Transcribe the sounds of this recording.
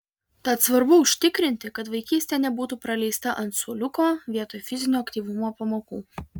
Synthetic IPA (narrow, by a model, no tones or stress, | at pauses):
t̪ɐt̪sʋɐɾbʊʊʃʲt̪ʲɪkɾʲɪnʲt̪ʲɪkɐt̪ʋɐɪkʲiːsʲt̪ʲɛːnʲɛbuːt̪uːpɾɐlʲɛɪst̪ɐʔɐnt̪suɔlʲʊkoːʋʲiɛt̪oːjfʲɪzʲɪnʲuːɐkt̪ʲiːʋʊmoːpɐmoːkṵː